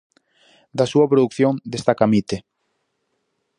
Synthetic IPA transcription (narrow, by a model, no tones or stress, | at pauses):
d̪asuɐpɾoðukθjoŋd̪est̪akamit̪e